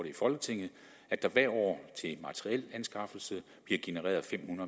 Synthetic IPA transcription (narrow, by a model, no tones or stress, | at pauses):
ɾeifɒ̽lɡ̥ət͡sʰe̝ŋ̰ð̩ˠ | æd̥ɑ̈ʋæɐ̰ɒ̰ːt͡sʰe̝mɑ̈t͡sʰəʁiel̰ænsɡ̥ɑ̈fl̩sə | b̥liɐɡ̥e̝nəʁɛ̰ːɐðˠfem̰hunɐðˠ